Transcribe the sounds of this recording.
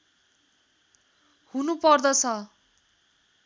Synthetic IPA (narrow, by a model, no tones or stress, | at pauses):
hunupʌrd̪ʌt͡sʰʌ